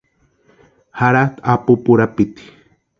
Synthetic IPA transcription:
haɾat̪apupuɾapit̪i̥

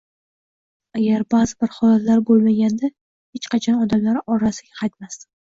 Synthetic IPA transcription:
aɡʲaɾbazɪbɪɾhɒlat̪laɾbolˠmaɡʲand̪a | het͡ʃqʰɑt͡ʃʰɒnɒd̪amlaɾɪʔɒɾasɪɡʲaqʰɑjt̪mas

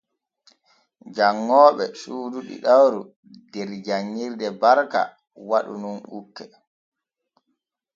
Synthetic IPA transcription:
d͡ʒaŋːɔːɓɛsuːduɗḭɗawɾu | dɛɾd͡ʒaŋːiɾdɛbaɾka̰ | waɗṵnunʔukːɛ

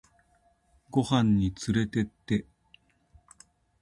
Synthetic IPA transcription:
ɡo̞hãɲ̟ːit͡sɨɾe̞t̪e̞t̪ːe̞

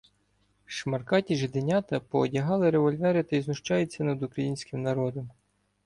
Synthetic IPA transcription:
ʃmɐrkɑtʲiʒɪd̪enʲɑt̪ɐpɔːdʲɐɦɑlˠɪɾeʋɔlʲʋɛɾɪt̪ɐiznʊʃt͡ʃɑjʊt͡sʲːɐnɐd̪ʊkɾɐjinʲsʲkʲɪmnɐɾɔd̪ɔm

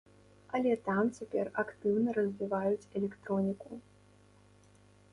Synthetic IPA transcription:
ɐlʲɛt̪amt͡sʲapʲɛ̰rɐkt̪ɨwnɐɾɐzʲvʲivajut͡sʲɛlʲɛkt̪ɾɔnʲiku

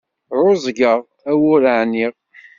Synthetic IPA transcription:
ɾʊzˤɡəʁ | æwʊɾʕniʁ

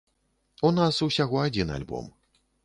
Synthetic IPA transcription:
unasusʲaɣɔad͡zʲina̰lʲbɔ̰m

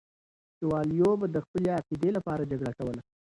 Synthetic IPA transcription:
t͡ʃewɑlijobad̪əxpəleaqid̪elapɑɾad͡ʒaɡɽakawəla

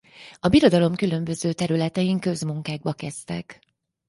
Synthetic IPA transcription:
ɒbiɾo̞d̪ɒlo̞mkylø̞mbø̞zøːt̪ɛɾylɛt̪ɛjiŋkø̞zmuŋkaːɡ̚bɒkɛst̪ɛ̰k

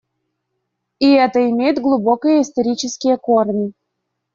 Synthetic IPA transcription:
iɛt̪əɪmʲejɪt̪ɡlˠʊbo̞kəjəɪst̪ɐɾʲit͡ɕɪskʲɪjəkornʲɪ

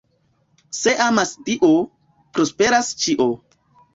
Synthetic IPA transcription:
se̞ʔamastiʔo | pɾospe̞ɾast͡ʃiʔo

